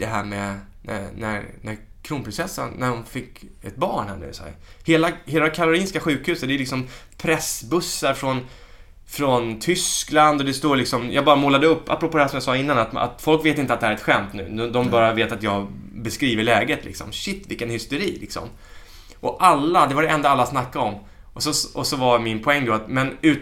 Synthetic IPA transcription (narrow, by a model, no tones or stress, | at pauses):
d̪̥ɛɦæːɾmɛ | næ̰næ̰næɾ | kʰɾuːnpɾɪnsɛsːə̰nːæɾhʊnfɪkːɛt̪̚bɑːɳhæ̰ɳʉ̰ːsɛ̰jheːlaheːlakʰaɾʊɾiːnskaɧʉ̟ːkhʉ̟ːsət̪d̪ɛjlɪksɔmpʰɾɛsbɵsːaɾfɾɔn | fɾɔnt̪ʰʏskland̪ɔd̪ɛst̪oːɾɭɪksɔmjʔɑːɡbɑːɾamoːlad̪əɵpːa̰pːɾɔpoːd̪ɛhæʂsɔmjasɑːɪnːanat̪a̰t̪fɔlkveːt̪ɪnt̪at̪d̪ɛhæɾɛt̪ɧɛmt̪nʉ̟ːɔd̪ɔmbɑːɾjaveːt̪at̪jɑːɡbɛskɾiːvəɭɛːɡət̪lɪ̰ksɔ̰mɕɪt̪ːvɪkːənhʏst̪ɛɾiːlɪksɔ̰m | ʔɔʔalːad̪ɛvaɖɛɛnd̪aalːasnakːaɔmː | ʔɔsɔɔsɔvaɾmɪnpʰɔɛŋːd̪ɔat̪mɛnʉ̟ː